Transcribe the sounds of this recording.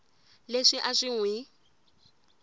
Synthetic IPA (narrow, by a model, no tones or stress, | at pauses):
leʂɪʔaʂɪŋwɪ